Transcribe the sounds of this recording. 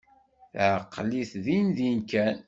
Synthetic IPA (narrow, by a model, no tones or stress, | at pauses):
θʕqːliθðinðinkæn